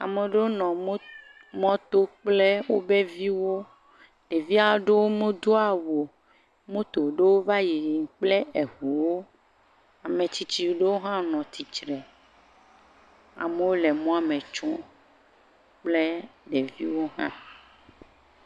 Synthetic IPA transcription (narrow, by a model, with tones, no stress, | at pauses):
a̰˨me˨ɖe˦wo˦nɔ̃˨˦ | mɔ̃˦t̪o˦k͡ple˦wo˦be˦vi˦wo˦ | ɖ̥e˨vi˦a˨˦ɖe˦wo˦mũ˦d̪o˦a˨wo˨ | mũ˦t̪o˨ɖe˦wo˦va˦ji˨ɾi˨ŋ˨k͡ple˦e˨ɦu˨wo˦ | a˨mẽ˨t͡ɕi˦t͡ɕi˦wɖe˦wo˦ɦã˦nɔ̃˨t̪i˨t͡ʃɾɛ˨ | a̰˨me˨wo˦le˨mɔ̃˦a˨mẽ˨t͡ʃɔ̃˦ | k͡ple˦ɖe˨vi˦wo˦ɦã̰˦